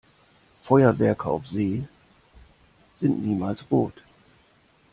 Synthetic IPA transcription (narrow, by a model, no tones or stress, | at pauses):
fɔʏɐvɛɐkʰəa̰ʊfz̥eː | z̥ɪntniːmaːlsʁoːt